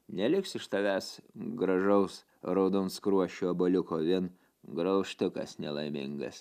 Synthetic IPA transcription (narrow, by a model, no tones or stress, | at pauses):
nʲɛlʲɪksɪʃt̪ɐʋʲæːsɡɾɐʒɐʊs | ɾɐʊd̪ɔnskɾuɔʃʲuːɐbolʲʊkoːʋʲɪn | ɡɾɐʊʃt̪ʲʊkɐsnʲɛlˠɐɪmʲɪ̰ŋɡɐ̰s